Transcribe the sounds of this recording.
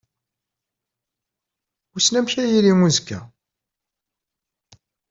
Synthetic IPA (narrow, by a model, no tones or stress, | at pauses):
usnæmçæjiɾiŋuzkːæ̰